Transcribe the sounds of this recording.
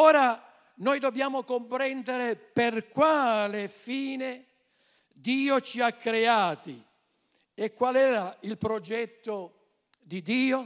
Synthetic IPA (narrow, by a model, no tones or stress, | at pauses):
ɔːɾa | nɔjd̪objaːmʊkompɾɛnd̪eɾeperkwaːlefiːne | d̪iːot͡ʃiakːɾeaːt̪i | ekːwalɛːɾailpɾɔd͡ʒɛt̪ːo | d̪id̪iːo